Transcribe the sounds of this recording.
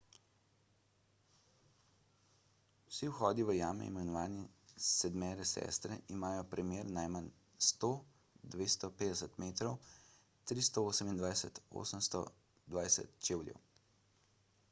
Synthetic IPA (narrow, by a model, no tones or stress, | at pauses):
siwxɔːd̪iʋəjaːmɛ̰ḭmɛnɔʋaːnisɛd̪mɛːɾɛsɛ̰st̪ɾɛimaːjɔpɾɛmeːɾnajmən | st̪o | d̪ʋeːst̪ɔpeːd̪ɛsət̪meːt̪ɾɔw | t̪ɾist̪ɔoːsəmind̪ʋajsɛt̪o̰ːsəmst̪ɔ̰ | d̪ʋaːjsɛ̰t̪t͡ʃeːwljɛ̰w